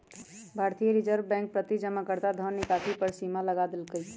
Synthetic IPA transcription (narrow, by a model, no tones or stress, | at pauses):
bʱaːɾt̪ijəɾid͡ʒəɾʋbɛ̃ːŋk̚pɾət̪id͡ʒəmakəɾt̪ad̪ʱɔnnːɪkat̪ipəɾsimaləɡad̪ɪlkəj